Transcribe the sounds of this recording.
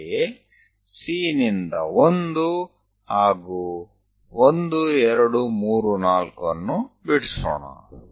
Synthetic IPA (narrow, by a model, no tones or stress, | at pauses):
e | siːnind̪ɐ̰ond̪u | aːɡu | ond̪uɛɾɐɽumuːɾunaːlkɐnːubiɽso̰ːɳɐ̰